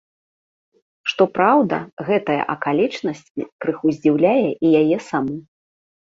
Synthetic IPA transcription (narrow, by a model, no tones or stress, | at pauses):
ʂt̪ɔpɾawd̪ɐ̰ɣɛt̪ɐjɐ̰ʔɐkalʲit͡ʂnɐsʲt͡sʲḭpɾɨxuzʲd͡zʲiwlʲajɛʔijajɛsamɔ